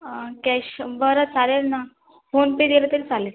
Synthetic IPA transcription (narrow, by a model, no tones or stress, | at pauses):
kɛɕbəɾət͡saleɾna | fonpedelət̪əɾit͡saleɾ